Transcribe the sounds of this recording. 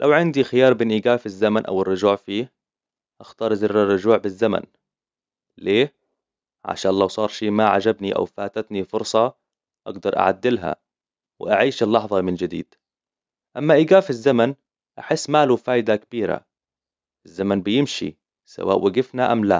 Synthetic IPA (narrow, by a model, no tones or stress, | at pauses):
lʔawʕɪnd̪ixɪjɑːɾˤbeːnʔiːɡaːfizːamanʔa̰wɪrːʊʒuːʕfiː | ʔaxt̪ɑːɾˤzɪrːɪrˤːʊʒuːʕbɪzːama̰n | leː | ʕa̰ʃaːnlawsˤɑːɾˤʃiːmaʕad͡ʒabniʔa̰wfaːt̪at̪nifʊɾsˤɑ | ʔaɡd̪ɑɾˤʔa̰ʕa̰d̪ːɪlɦa̰ | wɪʔaʕiːʃɪlːɑħðˤɑmɪnd͡ʒɪd̪ḭːd̪̥ | ʔamːaʔiːɡaːfizːaman | ʔaħɪsːmaːlufaːjd̪akabiːɾa̰ | ʔɪzːamanbɪjɪmʃḭ | sa̰wa̰ːʔwaɡɪfnaʔamla